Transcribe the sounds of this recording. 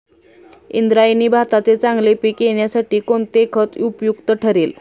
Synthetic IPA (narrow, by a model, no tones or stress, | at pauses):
ḭnd̪ɾajniːbʱat̪at͡set͡saŋɡlepiːkjeɳjasaʈiːkoɳt̪ekʰət͡supjukt̪əʈʰəɾiːl